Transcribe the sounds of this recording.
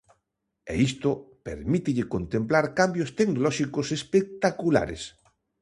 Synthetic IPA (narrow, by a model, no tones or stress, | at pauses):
ḛist̪opḛɾmit̪ɪʎɪkont̪ẽmplaɾkambjost̪eknolɔʃikosespek̚t̪akula̰ɾḛs